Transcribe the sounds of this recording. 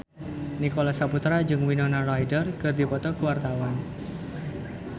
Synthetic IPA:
nikolasaput̪ɾad͡ʒɨŋwinɔnarajdərkɨrd̪ipɔt̪ɔkuwart̪awan

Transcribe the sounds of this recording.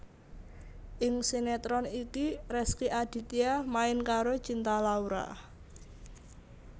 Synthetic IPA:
ʔɪŋsinɛt̪ɾɔnikiɾɛskiʔad̪̥i̤t̪iamaɪnkaɾot͡ʃint̪alauɾa̰

